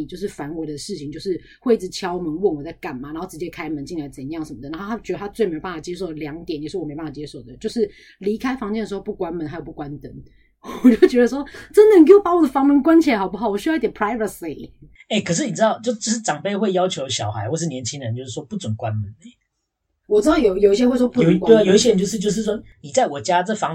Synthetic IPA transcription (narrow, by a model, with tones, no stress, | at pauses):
t͡ɕjo˥˧ʂɻ̩˥˩fa˧˥nwe˨˩ɪd̪ə˨˩ʂɻ̩˥˩t͡ɕʰi˨ŋt͡ɕjo˥˧ʊʂɻ̩˥˩ | we˥˧ɪi˥˩t͡sɻ̩˨˩t͡ɕʰjɑ˥˦ʊ˨mə˧˦nwə˥˩nwɔ˨˩t͡sa˥˩ɪka˨˩nma˨˩n˧˦nxo˥˩ʈ͡ʂɻ̩˧˥t͡ɕjɛ˦˥kʰa˥ɪmə˧˦nt͡ɕi˥˩ŋla˧˥ɪt͡sə˨˩n˦jɑ˥˩ŋsʂə˨˩nmə˩d̪a˥˧˩a˥˩t͡ɕdə˧a˥t͡swme˧˥˧pa˥˩a˨˩t͡ɕjɛ˥ʂ̬o˥˩ʊd̪ə˩ljɑ˧˥ŋt̪jɛ˨˦njʂɻ̩˥wm˧˥pa˥˩˨t͡ɕjɛ˦˥ʂo˨˩ʊd̪ə˦t͡ɕjo˥˧ʊʂɻ̩˥˩ | li˧˥kʰa˥ɪfɑ˧˥ŋt͡ɕɛ˥˩ndə˩ʂɻ̩˧xo˥˧ʊpu˥˩kwa˥nmə˧˦nha˧˥jo˨˩pu˥˩kwa˦nt̪ə˧˥n | wɔ˨˩t͡ɕo˥˩ʊt͡ɕɥɛ˧˥d̪ə˧˩ʂ̬wɔ˥ʈ͡ʂə˦nd̪ə˨˩ni˨ke˥wo˨˩pa˧˥wɔ˨˩d̪ə˩fɑ˧˥ŋmə˧˥nkwa˥nt͡ɕʰi˨a˧˥xɑ˨˩ʊpu˥˩ɑ˨˩ʊwɔ˨˩ɕ̬y˥˧˥t̪ɛ˨npʰɹa˥ɪvə˨˩si˨ | e˥˩ɪkʰə˨˩ʂɻ̩˥˩ni˨˩t͡sɻ̩˥t̪ɑ˥˨ʊt͡ɕjo˥˧ʊt͡ɕjo˥˧ʊʂɻ̩˥˩ʈ͡ʂɑ˨˩ŋpe˥˧ɪxwe˥˩ɪjɑ˥ʊt͡ɕʰjo˧˦ʊɕjɑ˨˩ʊxa˧˦ɪxwɔ˥˧ʂ̬ɻ̩˥˩njɛ˧˦nt͡ɕʰi˥ŋd̪ə˧˦nt͡ɕjo˥˧ʊʂɻ̩˥˩wɔ˦pu˥˩t͡swə˨˩nkwa˦nmə˨˦nə˨˦ | wɔ˨˩t͡sɻ̩˥ɑ˥˩ʊjo˨ʊjo˨˩ʊi˥ɕ̬jwwɔ˥pu˥˨˩jo˨ʊi˥ɕje˥ɻə˧nt͡ɕjo˥˧ʊʂɻ̩˥˧t͡ɕjo˥˧ʊʂ̬ɻ̩˥˩ʂ̬wɔ˥ni˨˩t͡sa˥ɪwɔ˨˩t͡ɕja˦˥t͡sə˥˨fɑ˦ŋ